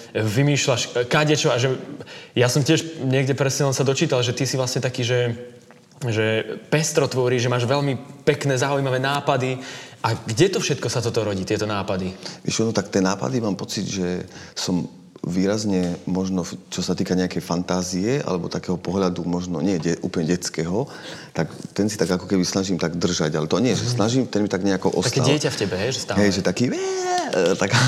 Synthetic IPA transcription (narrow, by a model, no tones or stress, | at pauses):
ʋimiːʃlaʃkaɟɛt͡ʃɔaʒɛjasɔmcɪɛʃɲɪɛɡɟɛpɾɛsɲɛlɛnsad̪ɔt͡ʃiːt̪alʒɛt̪isivʋlasɲɛt̪akiːʒɛ | ʒɛpɛst̪ɾɔt̪ʋɔɾiːʒɛmaːʒʋɛʎmipɛknɛːzaujmaʋɛːnaːpad̪iʔaɡɟɛt̪ɔfʃɛt̪kɔsat̪ɔt̪ɔɾɔɟiːt̪ɪɛt̪ɔnaːpad̪iʋɪɛ̰ʃɔnɔt̪akt̪ɪɛːnaːpa̰d̪imaːmpɔt͡sid̪ʒɛsɔm | ʋiːɾazɲɛmɔʒnɔt͡ʃɔsat̪iːkaɲɛakɛjfant̪aːziɛʔa̰lɛbɔt̪akɛːɦɔpɔɦlad̪umɔʒnɔɲɪɛɟɛʔṵːplɲɛɟɛt͡skɛːɦɔ | t̪akt̪ɛnsit̪aɡakɔkɛbisnaʒiːmt̪aɡd̪r̩ʒaɟalɛt̪ɔɲɪɛʒɛsnaʒimt̪ɛnmit̪aɡɲɛakɔʔɔst̪atkɛalɪɛcafcɛbɛɦɛjʒɛst̪aɦɛjʒɛt̪akiːʋɛt̪aɡ